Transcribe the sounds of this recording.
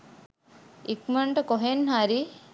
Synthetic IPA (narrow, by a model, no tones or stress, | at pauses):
ikmɐɳʈəkoɦenɦaɾi